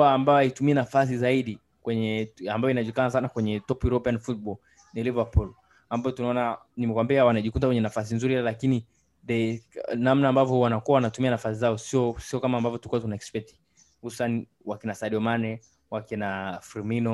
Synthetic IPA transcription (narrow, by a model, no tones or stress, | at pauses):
aːmbajɔaitumiɛnafas̬izaiɗi | kwɛɲɛambajɔinaʄukanas̬anakwɛɲɛtɔpuɾɔpianfutɓɔl | nilivapul | ambajɔtunaɔnanimɛkwambiawanaʄikutakwɛɲɛnafas̬inzuɾihlɛlakini | ðɛnamnaːmbavjɔwanakuawanatumianafasizaɔsiɔsiɔkamaːmbavjɔtuikuwatunaɛkspɛti̥ | husu̥sani | wakinasaɗiɔmanɛ | wakinafiɾminɔ